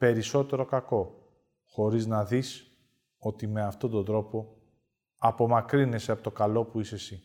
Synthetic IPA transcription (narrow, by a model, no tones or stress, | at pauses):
pe̞ɾiso̞t̪e̞ɾo̞kɐko̞ | xo̞ɾiznɐðis | o̞t̪ime̞ɐft̪o̞t̪ond̪ɾo̞po̞ | ɐpo̞mɐkɾine̞seɐpot̪o̞kɐlo̞puisesi